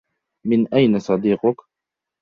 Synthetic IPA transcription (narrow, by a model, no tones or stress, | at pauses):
mɪnʔajnasˤɑd̪iːqʊk